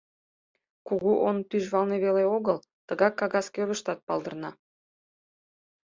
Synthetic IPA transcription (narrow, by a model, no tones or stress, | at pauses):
kuɣuʔont̪yʒβɑlˠneβeleoɣəl | t̪əɣɑkːɑɣɑskʲøɾə̆ʃt̪ɑt̪̚pɑlˠd̪ə̆rnɑ